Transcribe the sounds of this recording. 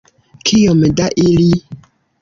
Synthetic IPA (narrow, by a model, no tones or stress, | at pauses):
kʰijomdaʔili